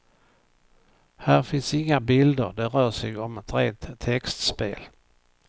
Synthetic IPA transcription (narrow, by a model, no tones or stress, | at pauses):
hæːɾfɪnsɪŋːabɪld̪əɾd̪ɛɾœːʂɛɡɔmɛt̪ɾḛːnt̪t̪ʰːɛkst̪speːl